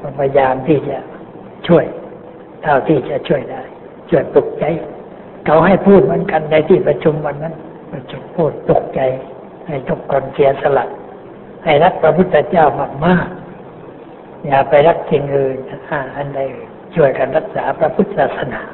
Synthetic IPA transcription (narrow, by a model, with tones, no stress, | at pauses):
kɔ˧˩pʰa˧jaː˧mt̪ʰiː˧˩t͡ɕa˧˦ | t͡ɕʰu˥˩əj | t̪ʰa˧˩wt̪ʰiː˧˩t͡ɕa˧ʔt͡ɕʰu˥˩əjdaː˧˩˨j | t͡ɕʰu˧˩əjpu˧˩k̚t͡ɕa˧˦j | kʰa˨˧˥wɦa˧˩jpʰuː˥˩t̪̚mɯ˨˦ənka˨˧nda˧jt̪ʰiː˧˩pɾa˧t͡ɕʰu˧˦mwa˧˨nːa˧˥˨n | pa˧˩t͡ɕʰu˧mpʰuː˧˩t̪̚p̪u˧˩k̚t͡ɕa˨˧j | ha˧˩jt̪ʰo˧˩kkɔː˧nsi˨˦ɐsa˧la˨˧˩ʔ̚ | ha˧˩jla˧˥k̪̚pʰɾa˧pʰu˧˥t̪t̪ʰːa˧t͡ɕaː˧˩wha˧˩p̚maː˧˥˨ | jaː˧˩pa˧jɾa˧˩k̚si˧˩nʔɯː˧n˧ʔaː˧˩ʔa˧˩nda˧˩j | t͡ɕʰu˥˩əjka˨nha˧k̪̚saː˨˦pʰɾa˧pʰu˧˥t̪̚saː˧˩t̪̚sa˧naː˨˦